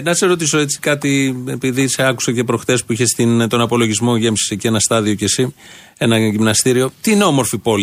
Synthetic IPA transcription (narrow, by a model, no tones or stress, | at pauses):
nɐseɾo̞t̪iso̞e̞t͡si̥kɐt̪ie̞piðiseɐku̥sɐce̞pɾo̞xθe̞spuiçe̞st̪int̪o̞nɐpo̞lo̞ʝizmo̞ʝe̞msi̥secienɐst̪ɐðio̞ce̞si | e̞nɐʝimnɐst̪iɾio̞t̪iineo̞mo̞ɾfipo̞l